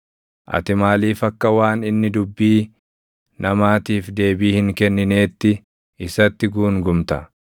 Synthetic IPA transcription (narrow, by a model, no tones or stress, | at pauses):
ʔɐ̰t̪ɪmaːliːfɐkːɐwaːnɪnːɪd̪ʊbːiː | nɐmaːt̪iːfd̪e̞ːbiːhɪŋkɛnːɪne̞ːt̪ːɪ | ɪsɐt̪ːɪɡuːŋɡʊmt̪ɐ